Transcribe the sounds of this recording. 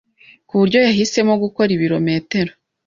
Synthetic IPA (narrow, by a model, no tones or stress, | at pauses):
kuβuɾɟo̞jaɦise̞moɡuko̞ɾiβiɾo̞me̞ːte̞ɾo